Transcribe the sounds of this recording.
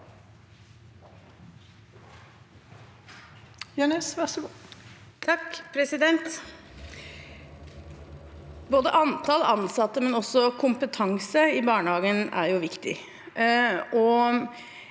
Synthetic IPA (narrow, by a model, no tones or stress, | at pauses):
jɳeːsʋæʂɡ | t̪ʰɑkːpʰɾɛsɪd̪ɛnt̪ | boːd̪əʔɑnt̪ʰɑːləɑnsɑt̪ːəmɛnɔsːɔkʰʊmpət̪ʰɑŋsəɪbɑːɳəhɑːɡənæ̰ɾjʊʋɪkt̪ɪ̰ | ʔɔ